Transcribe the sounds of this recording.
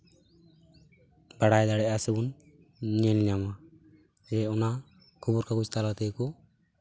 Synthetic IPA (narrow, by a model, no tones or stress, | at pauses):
baɽajd̪aɽɛasebun | ɲenlama | d͡ʒɛɔna | kʰubuɾkakut͡ʃt̪ʰalat̪ejku